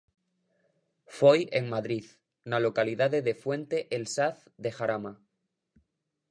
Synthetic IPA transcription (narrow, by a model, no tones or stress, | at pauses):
fojeŋmaðɾið | nalo̞kaliðaðe̞ðefwẽ̞nt̪e̞ʔelsaθ | ðexaɾama